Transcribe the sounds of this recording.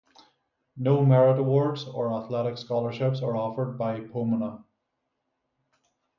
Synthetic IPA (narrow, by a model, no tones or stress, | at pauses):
noːmɛɹɪɾəwɔɹdzə˞aθlɛɾɪkskɔlˠə˞ʃɪpsə˞ɔfə˞d̚baɪpʰomənə